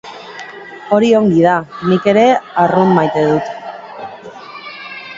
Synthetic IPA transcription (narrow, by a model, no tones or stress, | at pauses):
o̞ɾio̞ŋɡið̞anike̞ɾe̞arummajt̪e̞ðut̪